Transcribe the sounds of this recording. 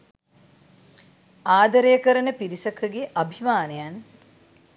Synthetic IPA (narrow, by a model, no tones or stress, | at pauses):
aːd̪ɐɾejəkəɾənəpiɾisɐkʰəɡeʔɐbʱimaːnəjan